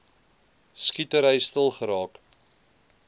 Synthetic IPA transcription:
skitəɾəjstəlˠχəɾɑːk

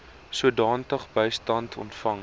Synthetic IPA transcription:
suədɑːntəχbəjstɐntʰɔ̰ntfɐŋ

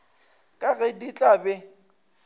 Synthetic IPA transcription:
kʼaɣɛdit͡ɬʼabɛ

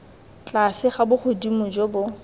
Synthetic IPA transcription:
t͡ɬʼasɪχabʊχʊdimʊd͡ʒɔbʊ

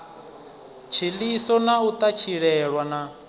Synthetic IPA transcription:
t͡ʃʰilisɔnaut̪at͡ʃʰiɺɛɺwana

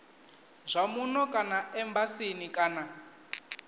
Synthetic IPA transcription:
zʷamunɔkʼanaɛmbasinikʼaːna

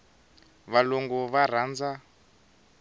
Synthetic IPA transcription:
βalɔŋɡɔβaɾ̤aːnd͡za

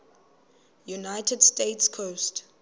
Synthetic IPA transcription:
junaɪtʰɛdstetskʰost

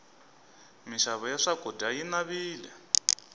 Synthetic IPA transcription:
miʃaβɔjaʂaɡ̥ʱɔdʱajinaβiːlɛ̰

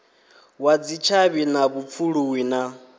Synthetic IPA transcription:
wad͡zit͡ʃʰaβinaβup̪fʰuɺuwiːna

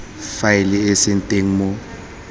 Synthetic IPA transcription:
faɪlɪesɪn̩tʼeŋ̩mʊ

